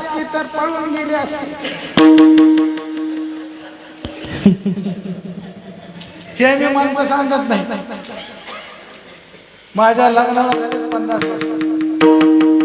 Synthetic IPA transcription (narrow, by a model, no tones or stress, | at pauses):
k̪it̪əɾpəɽuːnɡeleəst̪e | hemiːmant͡səsaŋɡət̪naɦiɦi | mad͡ʑʱaləɡləʋat̪aɾet̪pənd̪aspə